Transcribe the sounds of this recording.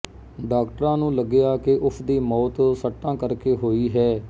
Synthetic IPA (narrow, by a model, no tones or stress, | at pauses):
ɖaːkʈəɾãːnũːləɡɪjaːkeʔʊpʰd̪iːmɔːt̪səʈːãːkəɾkeːɦoːiːɦɛː